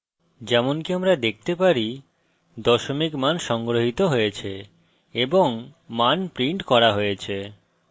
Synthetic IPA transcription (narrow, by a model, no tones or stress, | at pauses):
d͡ʑɛmonkiamɾad̪ek̚t̪epaɾi | d̪ɔʃomikmanʃɔŋɡɾoɦit̪oɦojet͡ɕʰe | eboŋmanpɾiɳʈkɔɾaɦojet͡ɕʰe